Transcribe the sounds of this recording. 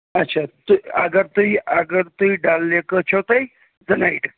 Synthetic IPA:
ətːɕʰat̪uəɡəɾt̪uiəɡəɾt̪uiɖalːekət͡ɕʰot̪əj | d͡zənaiʈ

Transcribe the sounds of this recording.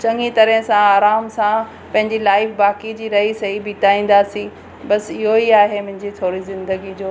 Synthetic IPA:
t͡ɕɐ̃ŋɡit̪ɐɾəɦsãaːɾaːmsã | pɐ̃ɦɪ̃ɲd͡ʑilaːɪfbaːkid͡ʑiːɾɐɦisɐɦibɪʈaːĩːn̆d̪aːsĩ | bɐsɪɦoiaːɦemʊ̃ɦɪ̃ɲd͡ʑit̪ʰoːɾizɪ̃nd̪əɡid͡ʑoː

